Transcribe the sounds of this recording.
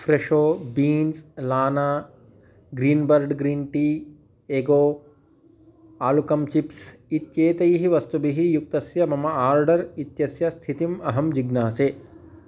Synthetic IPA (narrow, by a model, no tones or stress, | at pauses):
fɾeʃoːbiːnslaːnaː | ɡɾiːnbɐɾɖɡɾiːnʈiː | eːɡoː | aːlukɐmt͡ʃipsit̪jeːt̪ɐjɦiʋɐst̪ubiɦijuk̚t̪ɐsjɐmɐmɐaːɾɖɐɾit̪jɐsjɐst̪ʰit̪imɐɦɐmd͡ʒiɡnaːseː